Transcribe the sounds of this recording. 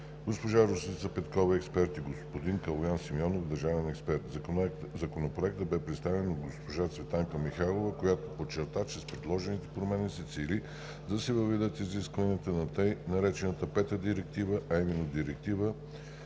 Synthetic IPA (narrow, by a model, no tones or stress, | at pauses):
ɡospoʒaɾosit̪sɐpɛt̪kɔvɛɛkspɛɾt̪iɡospod̪iŋkɐlˠojansimiɔnofd̪ɐɾʒavɛnɛkspɛɾt̪zɐkonopɾoɛk̚t̪əbɛpɾɛt̪st̪avɛnod̪ɡospoʒat̪svɛt̪aŋkəmixalˠovəkojat̪opot͡ʃːɛɾt̪at͡ʃɛspɾɛd̪lˠɔʒɛnit̪ɛ̥pɾomɛnisɛt̪silʲi | d̪ɐsɛvɐvɛd̪ət̪iziskvɐniət̪ənɐt̪əjnɐɾɛt͡ʃɛnət̪əpɛt̪əd̪iɾɛk̚t̪ivəʔɐimɛnːod̪iɾɛk̚t̪ivə